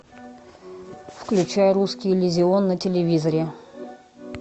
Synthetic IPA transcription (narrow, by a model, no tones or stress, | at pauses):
fklʲʉt͡ɕæjəɾuskʲɪjlʲɪzʲɪonːətʲɪlʲɪvʲizəɾʲɪ